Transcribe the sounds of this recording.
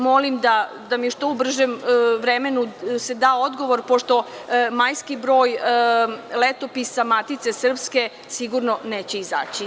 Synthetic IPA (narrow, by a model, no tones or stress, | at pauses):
mo̞limd̪a | d̪amiuʃt̪oubr̩ʒemʋɾeme̞nuse̞d̪aːo̞d̪ɡo̞ʋo̞ɾpo̞ʃt̪o̞majskibɾo̞ːj | let̪o̞pisamat̪it̪sesr̩pske̞ | siɡuɾnone̞ːt͡ɕeiza̰ːt͡ɕi